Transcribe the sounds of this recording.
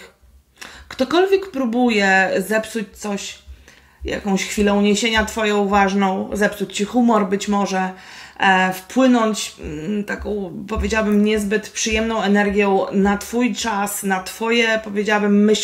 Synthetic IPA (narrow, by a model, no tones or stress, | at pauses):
kt̪ɔkɔlvʲjɛkpɾubujɛzɛpsut͡ɕt̪sɔɕ | ja̰kɔ̃w̃ɕxfʲilɛuɲeɕeɲat̪fɔjɔ̃w̃vaʐnɔ̃w̃zɛpsut͡ɕt͡ɕixumɔɾbɘt͡ɕmɔʐɛ | fpwɘnɔɲt͡ɕt̪akɔ̃w̃pɔvʲed͡ʑawabɘmɲɛzbɘt̪pʂɘjɛmnɔ̃w̃ɛnɛɾɡʲjɔ̃w̃nat̪fujt͡ʂasnat̪fɔjɛpɔvʲjed͡ʑawabɘmːɘɕ